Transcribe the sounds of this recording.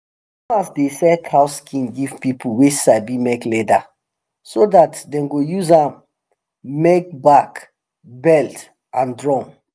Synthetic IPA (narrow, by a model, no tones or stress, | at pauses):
ɔ̃nasdesɛdhaʊskʰĩnɡiv̥pipʰuwit͡ʃsabimɛklɛda | sodatdɛ̃nɡojuzãm | mek̚bak | bɛlt | ʔãndɹɔ̃n